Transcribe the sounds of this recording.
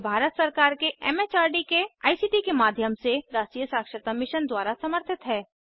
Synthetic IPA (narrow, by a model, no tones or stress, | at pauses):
bʱaːɾət̪sɐɾkaːɾkeɛ̰ːmeːt͡ʃaːɾɖikea̰ːisiːʈikemaːd̪ʱjəmseɾaːʃʈijəsaːkʃət̪amɪʃənd̪waːɾasɐməɾt̪ʰɪt̪ɦɛː